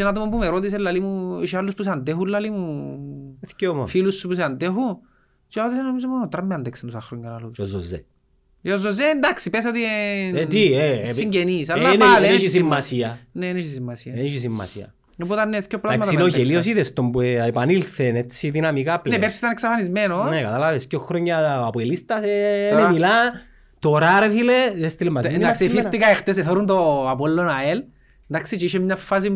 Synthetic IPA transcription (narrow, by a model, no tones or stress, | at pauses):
t͡ʃenat̪umembumeɾot̪̬is̬elːɐlimuiʃialːuspus̬eand̪exulːɐlimu | eθcomfilusːupus̬eand̪eɦu | t͡ʃeɾot̪is̬enomizommonot̪ɾɐmːeand̪eksenusaxɾoɲɡɐnaluozozḛ | ozːozːend̪aksipes̬ot̪it̪iesiɲɟenisalːanaðeeʃisiimːasiɐneneʃisimːɐsiɐiʃisimːɐ̰siɐ̰ | oput̪ɐneθkopːɾɐkmɐinoʝeliosiðest̪ombueepanilθenet͡sːiðinamikaplnepeɾsisit̪ɐneksɐfanizmenonekat̪alavescoxɾoɲːaːpoelist̪ɐsenemila | t̪oɾaɾeθileest̪ilemːasnd̪aksfiɾt̪ikɐext̪es̬eθoɾunt̪oapolːonael | nd̪aksit͡ʃeiʃemɲafːas̬i